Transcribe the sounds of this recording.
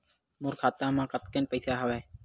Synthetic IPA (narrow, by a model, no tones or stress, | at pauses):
mʊɾkʰaːt̪ãːmãːkət̪kenpəɪsaːɦəʋeː